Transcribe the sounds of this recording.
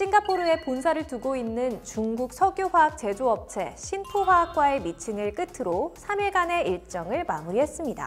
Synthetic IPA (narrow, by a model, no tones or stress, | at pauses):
ɕʰiŋɡapʰoɾɯe̞ponsʰaɾɯɭtuɡoinːɯnt͡ɕuŋɡuk̚sʰʌɡjoɸwaak̚t͡ɕe̞d͡ʑoʌp̚t͡ɕʰe̞̰ɕʰintʰoɸwaak̚k͈wae̞mit͡ɕʰiŋɯɭk͈ɯtʰɯɾosʰamiɭɡane̞iɭt͡ɕ͈ʌŋɯɭmamuɾiɦe̞s͈ɯmɲida̰